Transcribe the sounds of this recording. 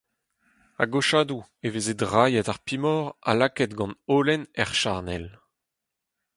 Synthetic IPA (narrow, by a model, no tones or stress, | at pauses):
a̰ɡoʃaːd̪uevezedʁajɛtaʁpimɔʁa̰lakɛtɡɑ̃noːlɛnɛʁʃaʁnɛl